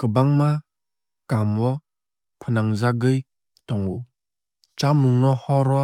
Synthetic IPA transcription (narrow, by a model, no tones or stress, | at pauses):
kɯbaŋma | kamwɔ | pʰɯnaŋzaɡɯj | tɔŋu | t͡ʃamuŋnɔhɔɾɔ